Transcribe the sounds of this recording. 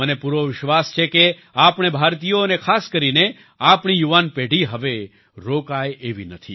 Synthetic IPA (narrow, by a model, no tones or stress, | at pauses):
mənepuɾoʋɪʃʋast͡ʃʰeke | apɽ̃ebʱaɾt̪ijoənekʰaskəɾine | apɳ̃ijuʋanpeɽiɦəʋe | ɾokajeʋinət̪ʰḭ